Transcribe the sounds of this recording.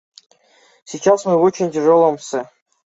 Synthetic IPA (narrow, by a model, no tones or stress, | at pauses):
sʲit͡ɕasmɨot͡ɕɪnʲtʲɪʐolˠə̆msʲɘ